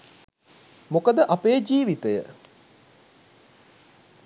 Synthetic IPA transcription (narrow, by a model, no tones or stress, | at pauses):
mokəd̪əʔapejd͡ʒiːʋit̪əjə̰